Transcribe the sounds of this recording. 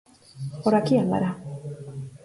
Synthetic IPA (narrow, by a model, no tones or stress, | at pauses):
oɾakialːa̰ɾa